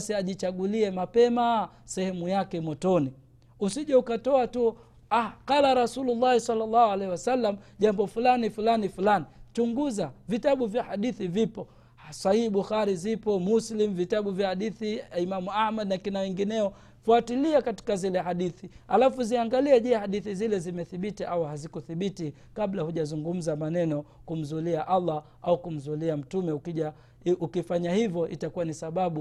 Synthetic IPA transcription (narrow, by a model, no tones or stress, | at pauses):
siaʄit͡ʃaɡuliɛmapɛmasɛhɛmujakɛmɔtɔni | usiʄaukatɔatu | akalaɾasululːahisalːalːahualɛhiwasalːamʄambɔfulanifulanifulanit͡ʃuŋɡuzavitaɓuvjahaɗiθivipɔ | sahiːɓuxaɾizipɔmuslimvitaɓuvjahaɗiθiimamuahmad̚nakinawɛŋɡinɛɔ | fuatiliakati̥kazilɛɦaɗiθihalafuziaŋɡaliɛʄɛhaɗiθizilɛzimɛθiɓitiʔawuhazikuθiɓiti | kaɓlahuʄazuŋɡum̩zamanɛnɔkum̩zuliaʔalːa | aukum̩zuliam̩tumɛukiʄa | ukifaɲahivjɔʔḭtakuwanisaɓaɓu